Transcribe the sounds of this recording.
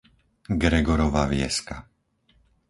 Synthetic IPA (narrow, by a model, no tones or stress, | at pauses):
ɡɾɛɡɔɾɔʋaːʋɪɛ̰ska